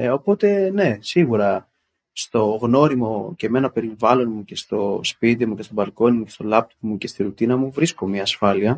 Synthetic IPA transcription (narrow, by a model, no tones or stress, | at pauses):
o̞po̞t̪e̞ne̞siɣuɾɐ | st̪o̞ɣno̞ɾimo̞ce̞me̞nɐpe̞ɾivɐlo̞nmuce̞st̪o̞spit̪̬imuce̞st̪o̞bɐlko̞nimuce̞st̪o̞lɐp̚t̪ovmuce̞st̪iɾut̪inɐmuvɾisko̞mɐːsfɐliɐ